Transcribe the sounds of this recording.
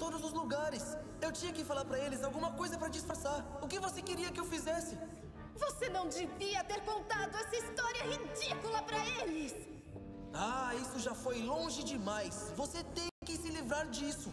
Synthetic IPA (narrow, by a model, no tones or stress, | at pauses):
t̪od̪ʊzʊzluɡaɾɪs | ewt͡ʃĩɲɐkɪfalaɾpɾɐelɪzawɡũmɐkojzɐpɾɐd͡ʒisfaɾsaɾʊkɪvosekɪɾiɐkɪewfizɛsɪ | vosenɐ̃w̃d͡ʒɪviɐt̪eɾkõnt̪ad̪ʊɛsɐist̪ɔɾiɐhid͡ʒikulɐpɾɐelɪs | aisʊʒafojlõʒɪd͡ʒɪmajsvoset̪ẽkɪsɪlivɾaɾd͡ʒisʊ